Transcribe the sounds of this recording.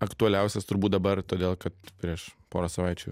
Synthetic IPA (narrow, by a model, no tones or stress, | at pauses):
ɐkt̪ʊɐlʲɛˑʊsʲɛst̪ʊɾbuːt̪d̪ɐbɐrt̪oːd̪ʲeːlˠkɐt̪pʲɾʲiɛʃpoːɾosɐʋɐɪt͡ʃʲṵː